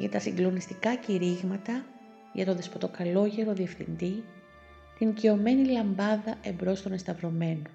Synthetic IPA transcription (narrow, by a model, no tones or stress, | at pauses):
ʝɐ̰t̪ɐsiŋɡlo̞nist̪ikɐciɾiɣmɐt̪ɐ | ʝɐt̪o̞ðe̞spot̪o̞kɐlo̞ʝe̞ɾo̞ðie̞fθḭnd̪i | t̪inicio̞me̞nilɐmbɐðɐʔe̞mbɾo̞st̪o̞ne̞st̪ɐvɾo̞me̞no